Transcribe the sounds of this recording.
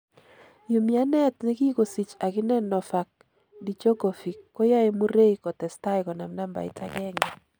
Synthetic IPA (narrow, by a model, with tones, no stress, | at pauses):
jo˨mi˨a˦nɛ˦tnɛ˦ɡi˦ko˨si˨t͡ʃa˨ɡɪ˦nɛ˦nɔ˨fa˨k̚ | di˨t͡ʃo˦ɡo˨fi˨kːo˦ja˦e˦mu˦ɾe˦i˨kɔ˨tɛ˨sta˦ɪ˨kɔ˨na˨mna˦mba̰˨ɪ̰˦tʰa˦ɡɛ˦ŋɛ˨